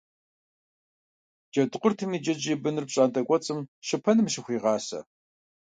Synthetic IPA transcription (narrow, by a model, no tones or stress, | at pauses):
d͡ʒɐdɨqʷʊrtʰɨmiːd͡ʒɐd͡ʒiːbɨnɨrpɕʼaːntʼɐkʷʼɔt͡sʼɨmʃɪpʰɐnɨmʃɪxʷiːʁɑːsɐ̰